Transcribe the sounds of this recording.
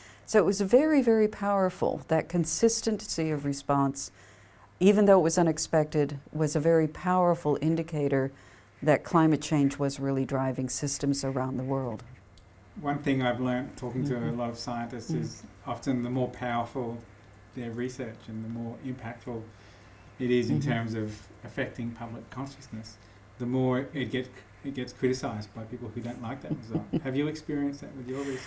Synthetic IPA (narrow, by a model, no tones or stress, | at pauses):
soʊəʔ̚wʌzvɛɹivɛɹipʰaʊə˞fl̩ˠðɨt̚kʰɨ̃nsɪstɨ̃nsiʌvɹɨspɑ̃ns | ivɨ̃nðoʊət̚wʌzʌ̃ñɨkspɛk̚tɨd̚wʌzɨvɛɹipʰaʊə˞fl̩ˠɪ̃ndɨkʰeɪɾə˞ | ðɨt̚kʰl̥ãɪ̃mɨt̚t͡ʃʰẽɪ̃nd͡ʒwʌzɹɪlˠidɹaɪvɪ̃ŋsɪstɨ̃mzə˞ãʊ̃nðəwɜ˞lˠd̥ | wʌ̃nθɪ̃ŋaɪvlɜ̃˞ntʰɔkɪ̃ŋtʰɨəlʌɾʌv̥saɪɨ̃ntɨstsɪzɑftɨ̃nðəmɔɹpʰaʊə˞fl̩ˠ | ðə˞ɹisɜ˞t͡ʃɨ̃nðəmɔɹʔɪ̃mpʰæk̚tfl̩ˠ | ɨɾɪzɨ̃ntʰɜ̃˞mzʌv | ɨfɛk̚tɪ̃ŋpʰʌblɨkʰɑ̃nʃɨsnɨs | ðəmɔɹɪt̚ɡ̥ɛts | ɨt̚ɡ̥ɛtskʰɹ̥ɪɾɨsaɪz̚baɪpʰipl̩ˠhʉdõʊ̃ntˡlaɪk̚ðɨt̚ɨzʌhɨvjɨɨkspɪɹiɨ̃nsðɨ̰ʔ̚wɨðjəðɪs